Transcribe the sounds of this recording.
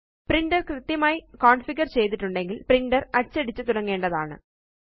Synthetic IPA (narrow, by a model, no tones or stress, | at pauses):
priɳɖɐrkrɨt̪jɐmaːjikoːɳɖfiɡɐrt͡ɕe̞jt̪iʈːuɳɖe̞ŋɡilpriɳɖɐrɐɽt͡ɕːɐɽit͡ɕːɨt̪uɽɐŋːe̞ːɳɖɐðaːɳɨ̰